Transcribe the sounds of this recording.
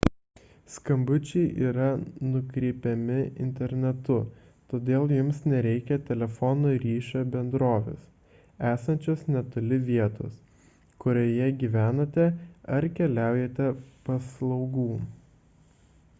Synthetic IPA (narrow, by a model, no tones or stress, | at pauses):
skɐmbʊt͡ʃʲɛɪʔiːɾɐnʊkɾʲɛɪpʲɛmʲɪɪ̰nʲt̪ʲɛɾʲnʲɛt̪ʊ | t̪oːd̪ʲeːlˠjʊmsnʲɛɾʲɛɪkʲɛt̪ʲɛlʲɛfɔnoɾʲiːʃʲobʲɛnd̪ɾoːʋʲḛːs | æːsɐnʲt͡ʃʲoːsnʲɛt̪ʊlʲɪʋʲiɛt̪o̰ːs | kʊɾʲoːjɛɡʲiːʋʲæːnɐt̪ʲɛɐɾkʲɛlʲæˑʊjɛt̪ʲɛpɐslˠɒʊɡuː